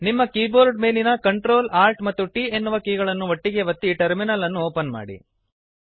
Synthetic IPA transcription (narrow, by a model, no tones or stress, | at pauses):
nimːɐkiːboːɾɖme̞ːlinɐkɐɳʈɾo̞ːlaːɾʈmɐt̪ːuʈiːe̞nːuʋɐkiːɡɐɭɐnːuʋɐʈːiɡe̞ʋɐt̪ːiʈɐɾminɐlːɐnːuoːpɐnma̰ːɽḭ